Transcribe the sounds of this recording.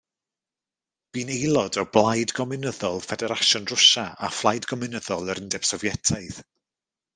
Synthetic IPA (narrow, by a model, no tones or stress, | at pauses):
b̥iːnejlˠɔdɔblˠajdɡɔmɪɨnəðɔlˠfɛdɛɾaʃɔndrʊʃaa̰flˠajdɡɔmɪnəðɔlˠəɾəndɛb̥sɔvjɛtʰaɨθ